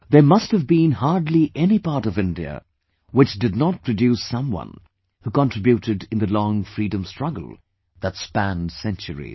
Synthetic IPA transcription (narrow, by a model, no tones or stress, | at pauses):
ðə˞mʌst̚hɨvbĩnhɑɹdˡliʔɛnipɑɹɾʌvɪ̃ndiɨ̰ | wɨt͡ʃd̥ɨdⁿnət̚pʰɹ̥ɨdjʉsʌ̃mwʌ̰̃n | hukɑ̃ntɹ̥ɪbjuɾɨɾɨ̃nðɨlɔ̃ŋfɹiɾɨ̃mstɹ̥ʌɡ̰l̩ˠ | ðətspæ̃ndsɛ̃nt͡ʃəɹḭ